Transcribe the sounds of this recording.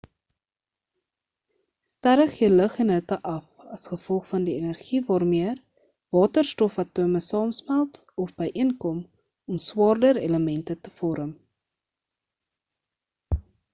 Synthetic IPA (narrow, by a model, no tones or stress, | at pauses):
stæɾəχjələχɛnɦətəʔɐf | ɐsχəfɔlˠχfɐndienærχivɑːrmiər | vɑːtərstɔfɐtuəməsɑːmsmælˠt | ɔfbɛjʔiənkɔm | ɔmswɑːrdəɾḛləmɛntətəfɔɾəm